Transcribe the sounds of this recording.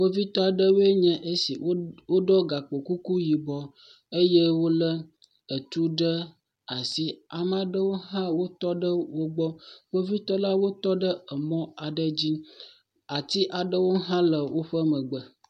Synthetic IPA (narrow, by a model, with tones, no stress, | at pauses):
wo˦vi˦t̪ɔ˦a˨ɖə˦we˦ɲɛ̃˦ʔe˦si˨wo˦wo˦ɖɔ˦ɡa˨k͡po˨ku˦ku˦ji˨bɔ˦ | e˦je˦wo˦lə˦ | ə˨t̪u˦ɖə˦ | a˨si˦a˨m˦a˨ɖə˦wo˦ɦã˦wo˦t̪ɔ˦ɖə˦wo˦ɡ͡bɔ˦wo˦vi˦t̪ɔ˦la˦wo˦t̪ɔ˦ɖə˦ə˨mɔ̃˦a˨ɖə˦d͡ʑi˦ | a˨t̪i˦ʔa˨ɖə˦wo˦ɦã˦lə˨wo˦ɸə˦mə̃˨ɡ͡bə˨